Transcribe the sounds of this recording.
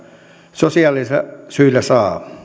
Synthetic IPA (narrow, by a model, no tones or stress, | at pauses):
sosiɑlːˑisɑsyilæsɑː